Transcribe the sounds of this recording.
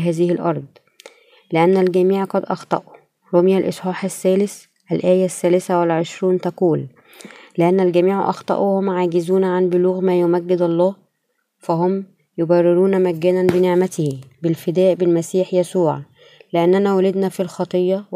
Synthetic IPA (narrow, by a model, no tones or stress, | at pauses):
ɦæːzɪhɪlʔɑɾˤd̪ˤ | leʔænːælɡæmiːʕqɑd̪ʔɑxt̪ˤɑ̰ʔu | ɾomjælʔḛsˤħɑːħæsːæːlɪs | ʔælʔæːjæsːæːlɪsæwelʕeʃɾuːnt̪ɑquːlː | eʔænːælɡæmiːʕʔɑ̰xt̪ˤɑ̰ʔṵhomːʕaːɡɪzuːnʕanbʊluːɣmæːjomæɡːɪd̪ɑlˤːɑːh | fæɦʊm | jobærːɪɾuːnæmæɡːæːnænbeneʕmæt̪hbelfɪd̪æːʔbɪlmæsiːħjæsuːʕ | leʔænːænæwælɪd̪næfilxɑt̪ˤejːɑ